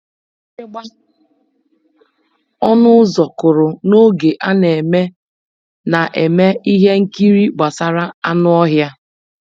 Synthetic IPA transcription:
ɔ˦nʊ˦zɔ˨kʊ˨ɾʊ˨no˦ɡe˨ʔa˦ne˨me˦ | na˨ʔe˨me˦i˦ɦe˦ŋ̩˦ki˦ɾi˦ɡ͡ba˨sa˨ɾa˦a˦nʊ˦ɔ˦ɦja˦

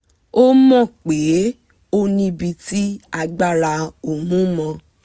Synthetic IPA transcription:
o˦mɔ̃˦˨k͡pe˨˦ | o˦nĩ˧bi˧ti˦a˧ɡ͡ba˦˨ɾa˧o˨mũ˦mɔ̃˧

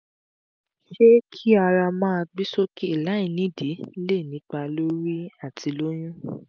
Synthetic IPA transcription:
ʃe˦kʰi˦a˧ɾa˧mãː˦˧ɡ͡bi˦so˦ki˦i˦˨la˨˦ĩ˨nĩ˨˦˨di˨˦le˦˨nĩ˨˦k͡pa˧lo˦ɾi˦a˦˨tʰi˨˧lo˦j̃ũ˦

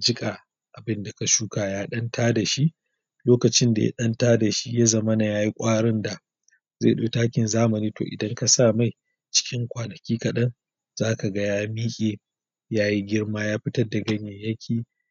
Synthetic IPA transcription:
d͡ʒɪ˦kʼa˨ | ʔa˨bɪ˦nda˨ka˨ʃuː˦kaː˨jaː˦ɗɐ˦ntaː˦da˨ʃi˦ʔ | loː˦kɐ˨t͡ʃɪ˦nda̰˨ja̰˦ɗɐ˦ntaː˦da˨ʃi˦ja˦zɐ˦mɐ˦na˨jaː˦ji˦kʷʼaː˦ɽɪ˦nda˨ | zḛ˦˨ɗoː˨taː˦kʲɪ˨nzaː˦mɐ˨niː˦to̰ː˨ʔɪ̰˨dɐ˦ŋka˨saː˦˨ma˦˨j | t͡ʃɪ̥˦kʲɪ˦ŋkʷaː˨nɐ˨kʲiː˦kɐ˨ɗɐ˦n | z̥aː˦ka˨ɡɐ˦jaː˦miː˦kʲʼeː˨ | jaː˦ji˦ɡʲɪ˦rmaː˦jaː˦ɸɪ˦tɐ˦rda˨ɡɐ˦ɲje˨jɐ˦kʲʰiː˨

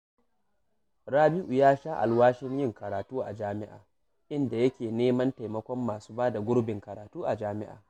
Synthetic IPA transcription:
ɾaː˦bɪ˦ʔu˨jaː˦ʃaː˦ʔa̰˨lwaː˦ʃɪ˦ɲjɪ˦ŋkɐ˨ɾaː˨tuː˦ʔa̰˨d͡ʒaː˦mɪ˦ʔa̰ː˨ | ʔɪ˦nda˨jɐ˦kʲeː˨neː˦mɐ˦nta˨jmɐ˦kʷɔ˦mːaː˨su̥ː˦baː˦da˨ɡʷʊ˦ɽbɪ˨ŋkɐ˨ɾaː˨tuː˦ʔa˨d͡ʒaː˦mɪ˦ʔa̰ː˨

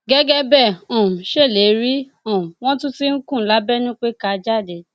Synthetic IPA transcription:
ɡɛ˦ɡɛ˦bɛ˦˨ɔ̃˨m˨ʃe˦˨le˨˦ɾi˦ | ɔ̃˨m˨w̃ɔ̃˦tũ˦ti˦ŋ̩˦kũ˦˨la˨˦bɛ˦nũ˦k͡pe˦ka˧d͡ʒa˦˨de˨

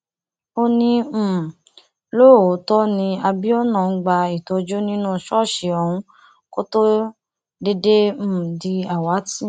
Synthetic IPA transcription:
o˧nĩ˧m̩˨ | lo˦˨o˨˦tɔ˦nĩ˧a˧bi˦ɔ˦nã˦˨˦ɡ͡ba˧i˨tɔ˧d͡ʒo˦nĩ˦nũ˦ʃɔ˦˨ʃe˨ɔ˧hũ˧˦ | ko˦to˦ | de˧de˦m̩̃˨di˧a˨wa˨˦ti˦˨

